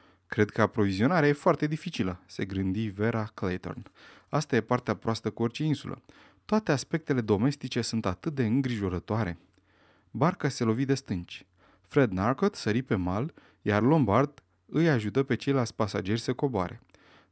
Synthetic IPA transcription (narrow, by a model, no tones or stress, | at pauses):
kɾed̪kəapɾo̞vizio̞naɾeaje̞foart̪e̞d̪ifit͡ʃiləse̞ɡɾɨnd̪ive̞ɾaklejt̪o̞̰rnast̪aje̞part̪eapɾoast̪əkuo̞rt͡ʃe̞insulʔə̰ | t̪oat̪e̞aspe̞k̚t̪e̞le̞d̪o̞me̞st̪it͡ʃe̞sunt̪at̪ɨt̪̚d̪e̞ɨŋɡɾiʒo̞ɾət̪oaɾe̞ | barkase̞lo̞vid̪e̞st̪ɨnt͡ʃʲ | fɾe̞d̪narkot̪səɾipe̞mal | jarlo̞mbard̪ | ɨjaʒut̪əpe̞t͡ʃe̞jlalt̪sʲpasa̰d͡ʒe̞rʲsəko̞boa̰ɾe̞̰